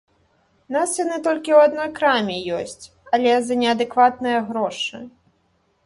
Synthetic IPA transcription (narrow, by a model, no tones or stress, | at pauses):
nasjanɨt̪ɔlʲkʲiwad̪nɔjkɾamʲijɔsʲt͡sʲ | ɐlʲɛzɐnʲɛɐd̪ɨkvat̪̚nɨjɐɣɾɔʂɨ̰